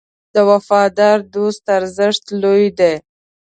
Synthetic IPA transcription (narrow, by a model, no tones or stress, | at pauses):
d̪əwafɑd̪ɑɾd̪ost̪aɾzəʂt̪lojd̪e